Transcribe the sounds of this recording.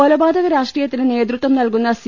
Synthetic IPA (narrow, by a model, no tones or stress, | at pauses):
olɐbaːd̪ʱɐðɐɾaːʂʈriːjɐt̪ːinɨne̞ːd̪ɾut̪ʋɐmnɐlkunːɐs